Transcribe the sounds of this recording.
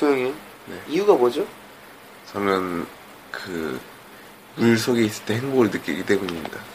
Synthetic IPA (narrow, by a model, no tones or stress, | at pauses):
sʰojoŋin | ne̞iuɡabod͡ʑo | t͡ɕʌmjʌn | kɯ̰ | muɭsʰoɡeis͈ɯ̥t͈e̞heŋboɡɯɭnɯk͈iɡidwe̞ɡuɲimɲḭda